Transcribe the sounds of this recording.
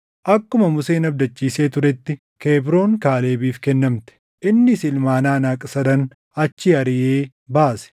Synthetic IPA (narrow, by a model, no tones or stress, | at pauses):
ʔɐkːʊmɐmʊse̞ːnɐbd̪ɐt͡ʃːiːse̞ːt̪ʊɾɛt̪ːɪ | keːbɾo̞ːŋkaːle̞ːbiːfkɛnːɐmt̪ɛ̥ | ʔɪnːɪsɪlmaːnaːnaːkʼsɐd̪ɐn | ɐt͡ʃːɪɐɾɪʔeː | baːsɛ̥